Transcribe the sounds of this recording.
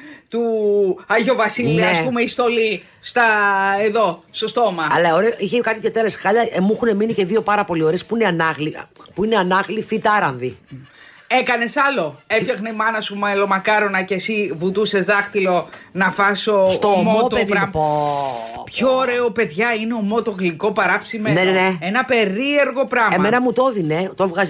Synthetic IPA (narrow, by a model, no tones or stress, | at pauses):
t̪uɐʝo̞vɐsilniɐespumeist̪oli | st̪ɐeðo̞st̪o̞st̪o̞mɐɐlɐoɾeoʔiçekɐt̪iot̪eɾesxɐʎɐemuixune̞minice̞ðio̞pɐɾɐpo̞lio̞ɾe̞spuineɐnɐɣlipuine̞ɐnɐɣlifit̪ɐɾɐɱvi | e̞kɐne̞sɐlo̞effçɐxneimɐnɐsumɐlo̞mɐkɐɾonɐcesivut̪use̞zðɐxt̪ilo̞nɐfɐsot̪ommot̪peðiɾɐpo | pçoːɾeope̞ðʝɐineomot̪oɣliko̞pɐɾɐpsimenenneenɐpe̞ɾie̞ɾɣo̞pɾɐmeɐmenɐmut̪o̞ðine̞t̪ovɣɐz